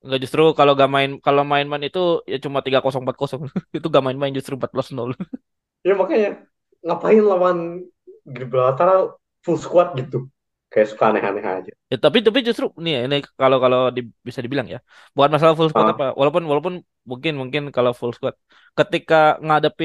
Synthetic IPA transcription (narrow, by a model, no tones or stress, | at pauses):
ŋɡaʔd͡ʒust̪ɾukaloɡamaɪnkalomaɪnmaɪnit̪ujat͡ʃumat̪iɡakosɔŋmpat̪̚kɔsɔŋit̪uɡamaɪnmaɪnd͡ʒust̪ɾuəmpat̪̚buasənɔl | jamakaɲa | ŋapaɪnlawan | ɡiblaat̪aɾa | fulskuat̪̚ɡit̪u | kajasu̥kaːnɛɦa̰nɛɦa̰d͡ʒajat̪apit̪ap̬id͡ʒust̪ɾuninikalokalodibisadibilaŋja̰ | bukanmas̬alafulskuat̪apawʔa̰lawp̬ʊnwalawp̬ʊn | muŋkɪnmuŋkɪnkalofulskuat̪̚ | kət̪ikaŋadapɪ